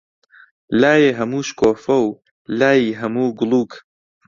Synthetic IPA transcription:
laːjeɦɐmuːʃkoːfɐw | laːjiːɦɐmuːɡʊlˠuːk

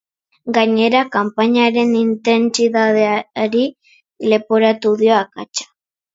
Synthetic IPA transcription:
ɡaɲe̞ɾakampaɲaɾe̞nint̪e̞nsiðaðeaɾi | le̞poɾat̪uðjoaka̰t͡ʃḁ

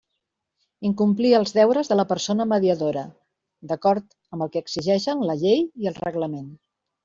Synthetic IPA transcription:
iŋkumpliəlˠzðɛwɾəzðələpəɾsonəməðiəðoɾə | d̪əkɔɾt̪ | əmbəlˠkɛːɡziʒɛʃənləʎejiəlˠrəɣləmen

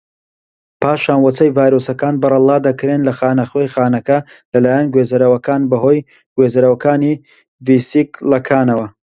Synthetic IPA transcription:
pʰaːʃaːnwɐt͡sɐjvaːjɾoːsɐkaːnbɨrɐlˠɑːd̪ɐkɾenlɐxaːnɐχwejxaːnɐkɐlɐlaːjɐnɡweːzɐɾɐwɐkaːnbɐɦoːj | ɡweːzɐɾɐwɐkaːni | visiklɐkʰaːnɐwɐ

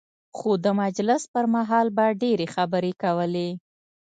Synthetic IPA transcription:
xod̪əmad͡ʒlɪspəɾmaɦɑlbaɖeɾexabəɾekawəle

